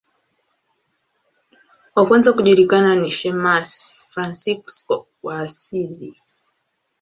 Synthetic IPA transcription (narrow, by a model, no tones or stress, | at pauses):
wakwɛnzakuʄuɾikananiʃɛmasfɾansikskɔ | wasizi